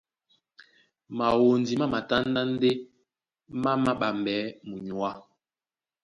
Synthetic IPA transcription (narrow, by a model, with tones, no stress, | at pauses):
ma˨wo˨ndi˨ma˦ma˨ta˦n˦da˦n̩˦de˦ | ma˦ma˦ɓa˨m˨bɛ˨˦mu˨ɲu˨a˦